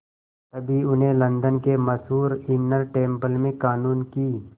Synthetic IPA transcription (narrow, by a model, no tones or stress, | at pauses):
t̪ɐbʱiʊnɦẽlɐ̃nd̪ənkemɐsɦuːɾɪnəɾʈẽːmpəlmẽkaːnuːnkiː